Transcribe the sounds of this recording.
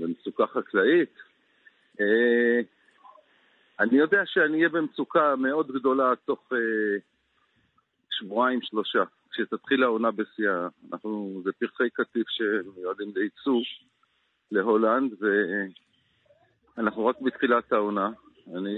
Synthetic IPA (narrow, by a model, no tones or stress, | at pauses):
bemsukaχaklait̪ | e | anijo̞deaʃeaniijebemsukame̞o̞d̪ɡd̪o̞lato̞χe | ʃvuaimʃlo̞ʃa | kʃet̪at̪χilaonabesiaːnʔa̰χnuzepiʁχejkatifʃemejuadimleit͡suv | le̞ɦo̞land̪ve | anaχnuʁakbit̪χilat̪aona | ani